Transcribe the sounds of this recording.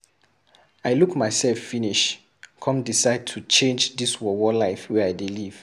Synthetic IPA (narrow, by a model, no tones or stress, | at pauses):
aɪlukmaɪsɛlfːĩniʃ | kʰɔ̃mdisaɪd̚tʰut͡ʃẽnd͡ʒdiswɔwɔlaɪfwɛaɪdiliv̥